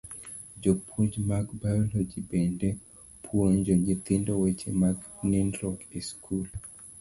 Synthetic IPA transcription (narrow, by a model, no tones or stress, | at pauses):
d͡ʒopʰuɲd͡ʒmaɡbajɔlod͡ʒibende | pʰwoɲd͡ʒoɲɡɪt̪ɪndɔwet͡ʃemaɡnindɾɔɡiskʰul